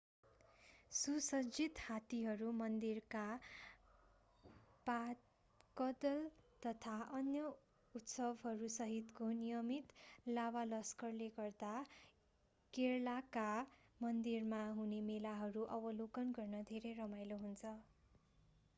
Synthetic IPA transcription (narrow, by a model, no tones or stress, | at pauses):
susʌd͡zit̪hat̪iɦʌɾumʌnd̪irka | pat̪ | kʌd̪ʌlt̪ʌt̪ʰaʔʌnjʌ | ut̪sʌbɦʌɾusʌɦit̪konijʌmit̪lawalʌskʌrleɡʌrd̪a | kerlakamʌnd̪irmaɦunemelaɦʌɾuʔʌbʌlokʌnɡʌrnʌd̪ʱeɾejrʌmajloɦunt͡sʰʌ